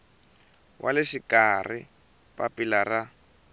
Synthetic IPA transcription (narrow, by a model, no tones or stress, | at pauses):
wʔa̰lɛʃikarḭ | papʼilara